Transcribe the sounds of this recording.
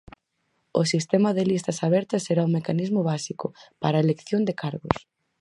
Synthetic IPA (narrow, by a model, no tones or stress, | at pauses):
ʊsist̪ɛmɐðɪlist̪ɐsaβɛɾt̪ɐsːeɾaumekanizmʊβasikʊpaɾɐelekθjond̪ekaɾɣʊs